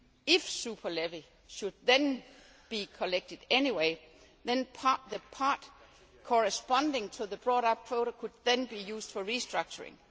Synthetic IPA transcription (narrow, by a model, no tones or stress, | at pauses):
ɪfsupʰɐleʋil | ʃud̚ðə̃n | b̥ikʰɔleɡ̥̚tʰɨd̥eniweɪ | ðɛ̃npʰðəpʰɑd̥ | kʰɔɹəspɑ̃ndɪ̃ŋtʰoðəb̥ɹɔɾʌp̚kʰʋoʊɾokʰud̚ðə̃nbijuːsd̥fɒɹisd̥ɹʌɡ̥̚t͡ʃʰəɹɪ̰̃ŋ